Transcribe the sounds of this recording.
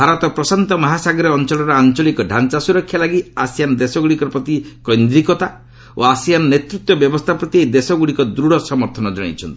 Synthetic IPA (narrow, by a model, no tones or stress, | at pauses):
bʱaɾɔt̪ɔpɾɔsant̪ɔmɔɦasaɡɾeɔnt͡ʃɔlɔɾɔant͡ʃɔlikɔɖʱant͡ʃasuɾɔkʰːjalaɡiasijanɔd̪esɔɡuɽikɔɾpɾɔt̪ikɔjnd̪ɾikɔt̪a | o̰asijanɔnet̪ɾut̪wɔbjɔbɔst̪ʰapɾɔt̪iejd̪esɔɡuɽikɔd̪ɾuɽɔsɔmɔɾt̪ʰɔnɔd͡ʒɔɽ̃ḭt͡ʃʰɔnt̪i̥